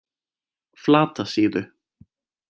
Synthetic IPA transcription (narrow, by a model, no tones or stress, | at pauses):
flaːt̪ʰasiːðʏ